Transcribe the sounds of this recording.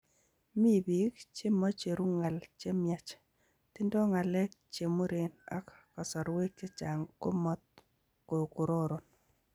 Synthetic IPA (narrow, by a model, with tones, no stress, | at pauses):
mi˦bi˨kt͡ʃe˦mɔ˦t͡ʃe˨ɾu˦ŋa˨lt͡ʃe˦mja˦t͡ʃ | ti˦ndɔ˦ŋa˨lɛ˦k̚t͡ʃe˨mu˦ɾe˨na̰˦kkɔ˨sɔ˨ɾwe˦k̚t͡ʃe˦t͡ʃa˨ŋko˦mɔ˦t̪̚ | ko˨ku˨ɾo˦ɾo˨n